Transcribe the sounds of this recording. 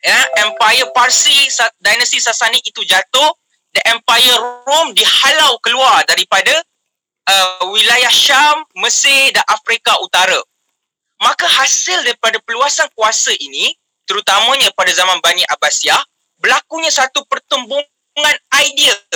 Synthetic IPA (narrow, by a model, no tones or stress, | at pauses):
jaɛmpajəparsisadajnəst̪isasaniit̪ud͡ʒat̪ʊh | diʔɛmpajəromdihalawkəluardaɾipada | ʔəwilajahʃamːəsɪdanʔafɾikaʔut̪aɾa | mãkahasɪldaɾipadapəluasankuasəʔinĩ | t̪əɾut̪amə̃ɲãpadazamãnbaniʔabasiah | bəlakuɲãsat̪upərt̪əmbu | ŋãnajdiə